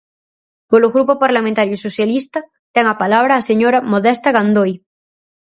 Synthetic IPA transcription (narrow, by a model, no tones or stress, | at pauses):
poloɣɾupopaɾlamẽnt̪aɾjuisoθjalist̪a | t̪ɛŋapalaβ̞ɾaːseɲoɾamoðest̪aɣand̪oj